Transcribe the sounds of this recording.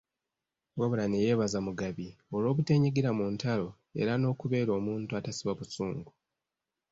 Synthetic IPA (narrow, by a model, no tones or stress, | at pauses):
weβulaneje̞ːβazamuɡaβio̞lo̞ːβute̞ɲiɡiɾamuːntalo̞ | e̞̰ɾano̞ːkuβe̞ːɾo̞ːmuːntuatasiβaβusuːŋɡu